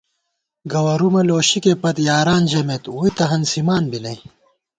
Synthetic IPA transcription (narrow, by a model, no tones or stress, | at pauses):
ɡɐwɐɾumɐloːɕikepɐt̪jaːɾaːnd͡ʑɐmet̪uit̪ɐɦɐnsimaːnbilɐj